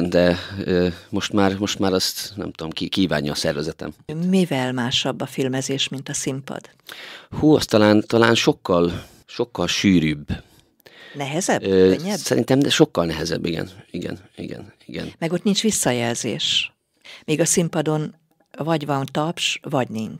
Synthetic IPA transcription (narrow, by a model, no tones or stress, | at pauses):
nd̪ɛømo̞ʃt̪maːɾmo̞ʃt̪maːɾɒst̪nɛ̰mt̪ud̪omkikiːva̰ːɲːjɒːsɛrvɛzɛt̪ɛ̰mmivɛlmaːʃɒbːɒfilmɛzeːʃmint̪ɒsimpɒ̰d̪ | huːɒst̪ɒlaːnt̪ɒlaːnʃo̞kːɒl | ʃo̞kːɒlʃyːɾyːb | nɛɦɛzɛøɲːɛsɛɾʔḭnt̪ɛmɛʃo̞kːɒlnɛɦɛzɛ̰bːiɡɛ̰niɡɛ̰nḭɡɛ̰niɡɛ̰nmɛɡo̞t̪nint͡ʃʋisːɒjɛlzḛːʃ | miːɡɒsimpɒd̪o̞n | vɒɟvɒnt̪ɒpʃvɒɟniɲt͡ʃ